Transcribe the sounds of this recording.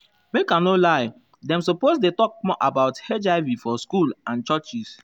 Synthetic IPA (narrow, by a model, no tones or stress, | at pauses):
mekãnolaɪ | dɛ̃msoposdetɔk̚mɔʔabaʊthed͡ʒaɪvifɔskulãnt͡ʃɔt͡ʃis